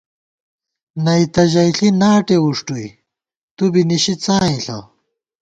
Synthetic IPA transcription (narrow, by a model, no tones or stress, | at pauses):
nɐit̪ɐʑɐjɬinaːʈeuʂʈui | t̪ubiniɕit͡saːĩɬɐ̰w